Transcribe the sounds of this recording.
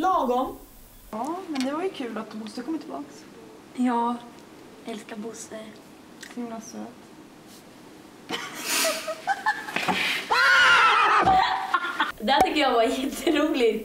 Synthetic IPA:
lɑːɡɔm | ɑːmɛnd̪ɛvaɾjɵkʰʉːlat̪bʊst̪əkʰɔmːət̪ʰɪlbɑːks | jɑː | ʔɛlskaɾbʊsə | sɪmlasɛːt̪ | a | d̪ɛæʈ̪ʏkt̪ːəjavaɾjɛt̪ʰːəɾuːlɪ

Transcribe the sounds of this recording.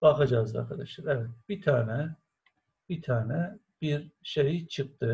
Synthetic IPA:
bɑχɑd͡ʒɑɯzd̪ɑ̰ɾkʰɑd̪ɑʃaɾɛvɛt̪̚b̥it̪ʰaːnɛ | b̥it̪ʰaːnɛ | b̥iɾʃejit͡ʃʰɯxt̪ɯ

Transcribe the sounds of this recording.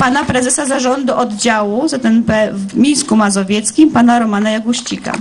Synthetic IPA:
panapɾɛzɛsazaʐɔnd̪uʔɔd̪d͡ʑawuzat̪ɛnpɛvmʲijskumazɔvʲjɛt̪skʲimpanaɾɔmanajaɡuɕt͡ɕika̰

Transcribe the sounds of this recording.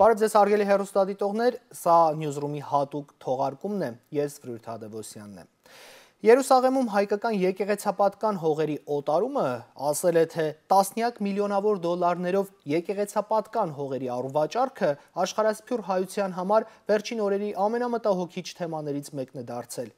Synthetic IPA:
b̥ɑɾɛvd͡zɛzɑrɡɛliɦɛrust̪ɑd̪it̪ɔʁnɛɾsɑnjuzrumihɑt̪ukt̪ʰɔʁɑɾkumnɛjɛsvɾujɾt̪ʰɑd̪ɛvɔsjɑ̰nːɛ̰ | jɛɾusɑʁɛmumɦɑjkɑkɑnjɛkɛʁɛt͡sʰɑpɑt̪kɑnɦɔʁɛɾiʔɔt̪ɑɾuməɑsɛlɛt̪ʰɛt̪ɑsnjɑkmiljɔnɑvɔɾd̪ɔlːɑɾnɛɾɔvjɛkɛʁɛt͡sʰɑpɑt̪kɑnɦɔʁɛɾiɑruvɑt͡ʃɑrkʰəɑʃχɑɾɑspʰjurɦɑjut͡sʰjɑnɦɑmɑɾvɛɾt͡ʃʰinɔɾɛɾiʔɑmɛnɑmət̪ɑɦɔkʰit͡ʃʰt̪ʰɛmɑn̪ɛɾit͡sʰmɛknɛd̪ɑɾt͡sʰɛl

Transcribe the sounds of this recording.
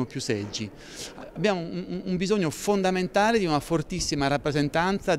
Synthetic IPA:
mopjusːɛd͡ʒːi | abːjaːmoumbizoɲːofond̪ament̪aːled̪iunafort̪isːimaɾapːɾezent̪ant̪sa

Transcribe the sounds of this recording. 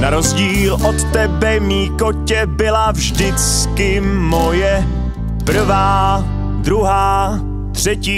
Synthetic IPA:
naɾo̞zɟiːlʔot̪t̪ɛbɛmiːkocɛbɪlavʒdɪt͡skɪmojɛ | pr̩vaː | d̪ɾuɦaː | t̪r̥ɛciː

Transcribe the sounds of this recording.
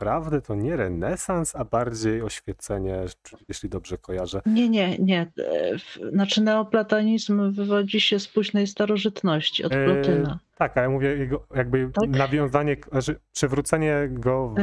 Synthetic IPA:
pɾavd̪ɛt̪ʰɔɲɛɾɛnɛsansabaɾd͡ʑejɔɕfʲjɛt̪sɛɲɛjeɕlʲid̪ɔbʐɛkʰɔjaʐɛɲɛɲɛɲɛ | nat͡ʂɘnɛɔplat̪aɲizmvɘvɔd͡ʑiɕɛspuʑnɛjst̪aɾɔʐɘt̪nɔɕt͡ɕiɔ̰lɔt̪ɘnat̪akajamuvʲjɛjɛɡɔjaɡ̚bɘanavʲjɔ̃w̃zaɲɛʐɛpʂɘvɾut̪sɛɲɛɡɔ

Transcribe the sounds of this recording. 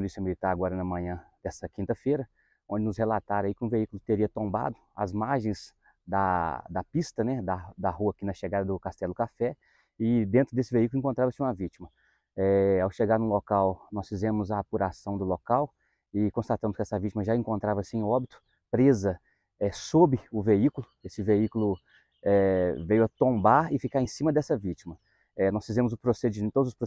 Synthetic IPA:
polisiɐmilit̪aɾaɡɔɾɐnɐmɐ̃ɲɐ̃d̪ɛsɐkĩnt̪ɐfejɾɐ | õd͡ʒɪnʊshelat̪aɾɐikɪũveikulʊt̪eɾiɐt̪õmba̰d̪ʊɐ̰zmaɾʒẽj̃z | d̪ɐ̰d̪ɐpist̪ɐnɛd̪ɐd̪ɐhuɐakinɐʃeɡad̪ɐd̪ʊkast̪ɛlʊkafɛ | ɪd̪ẽnt̪ɾʊd̪esɪveikulʊẽŋkõnt̪ɾavɐsɪũmɐvit͡ʃimɐ | ɛawʃeɡaɾnʊlokawnɔsfizẽmʊzɐːpuɾasɐ̃w̃d̪ʊlokaw | ɪkõst̪at̪ɐ̃mʊskɪɛsɐvit͡ʃimɐʒaẽŋkõnt̪ɾavɐsɪẽj̃ɔbit̪ʊ̥ | pɾezɐ | ɛsobɪʊveikulʊesɪveikulʊ | ɛvejʊɐt̪õmbaɾɪfikaɾẽsĩmɐd̪ɛsɐvit͡ʃimɐ | ɛnɔsfizẽmʊzʊpɾosed͡ʒit̪od̪ʊzʊspɾo

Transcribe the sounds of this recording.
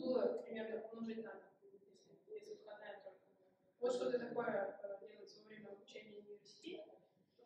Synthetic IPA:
bɨlˠəpɾʲɪmʲe̞rnəlˠɐʐɨtʲnajesʲɪjesʲɨt̪kɐd̪at̪o | vot̪ʂt̪ot̪ət̪ɐko̞jədʲelˠət̪səvəvɾʲemʲəɐbʊt͡ɕenʲɪjəʊnʲɪvʲɪrsʲɪ̥tʲetʲɪ

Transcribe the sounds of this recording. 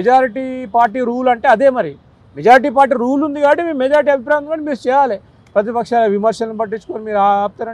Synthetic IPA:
d͡ʒaːɾiʈiːpaːɾʈiːɾuːlɐɳʈeːɐd̪e̞ːmɐɾi | med͡ʒaːɾiʈ̬iːpaːɾʈ̬iːɾuːlund̪iɡaːɐʈːimiːɾumɛd͡ʒaːɾiʈ̬iːɐbʱip̬ɾaːjɐkɐnmiːɾut͡ʃɛːjaːle | pɾɐt̪̬ipɐkʂaːloʋimɐɾʂɐlɐnibɐʈːit͡ʃːu̥koːnimiːɾap̚t̪anɐe

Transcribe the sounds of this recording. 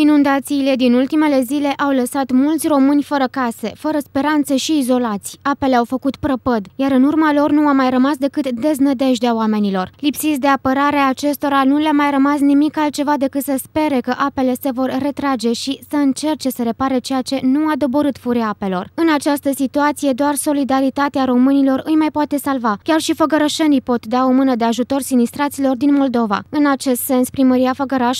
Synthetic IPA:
inund̪at̪siːle̞d̪inult̪ime̞le̞zile̞ʔawləsat̪mult̪sʲro̞mɨnʲfəɾəkase̞̰fəɾəspe̞ɾant̪seʃiːzo̞lat̪sʲape̞le̞awfəkut̪pɾəpəd̪jaɾɨnurmalo̞rnuamajrəmasd̪e̞kɨt̪d̪e̞znəd̪e̞ʒd̪eawame̞nilo̞rlipsit̪sʲd̪e̞apəɾaɾeaːt͡ʃe̞st̪o̞ɾanuleamajrəmasnimikalt̪̚t͡ʃe̞vad̪e̞kɨt̪səspe̞ɾe̞kəʔape̞le̞se̞vo̞rːe̞t̪ɾad͡ʒe̞ʃisəɨnt͡ʃe̞rt͡ʃe̞səɾe̞paɾet͡ʃe̞jat͡ʃe̞nuad̪o̞bo̞ɾɨt̪fuɾʲijaape̞lo̞̰rɨnat͡ʃast̪əsit̪uat̪sije̞d̪oarso̞lid̪aɾit̪at̪eaɾo̞mɨnilo̞ɾɨjmajpoat̪e̞salvakʲarʃifəɡəɾəʃenijpo̞t̪d̪aomɨnəd̪e̞aʒut̪o̞rsinist̪ɾat̪silo̞rd̪inmo̞ld̪o̞va̰ɨnat͡ʃe̞st̪se̞nspɾiməɾijafəɡəɾaʃ

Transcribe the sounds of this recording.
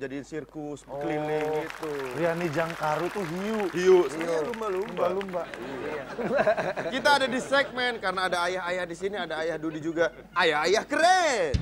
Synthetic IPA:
d͡ʒadisirkʊspkəlilɪŋɡit̪urianid͡ʒaŋkaɾut̪uɦiuʔhiuslumbalumbalumba | kit̪aːdadisɛk̚mɛnkarənaːdaːjaɦajahdisiniadaːjahdudid͡ʒuɡa | ajahajahkəɾe

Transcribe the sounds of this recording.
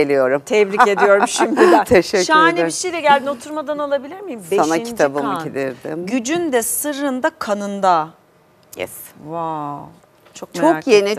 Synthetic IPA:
elʲijo̞ɾumt̪ʰɛbɾie̞d̪ijo̞ɾumʃimd̪it̪ʰeʃɛcʃanebiʃejlʲɛɟælʲd̪ino̞t̪ʰuɾmad̪analˠabilʲiɾmijimsbeanait̪ʰabɯmɯɟid̪iɾd̪ɪmɟyd͡ʒynd̪ɛsɯɾɯnd̪akʰanɯnd̪a | jɛ̰sva | t͡ʃʰok̚mt͡ʃʰojeni

